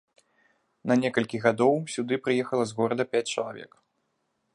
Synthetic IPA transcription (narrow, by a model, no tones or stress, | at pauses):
nɐnʲɛkɐlʲkʲiɣad̪ɔwsʲud̪ɨpɾɨjɛxɐlˠɐzɣɔɾɐd̪ɐpʲæt͡sʲt͡ʂɐlˠavʲɛ̰k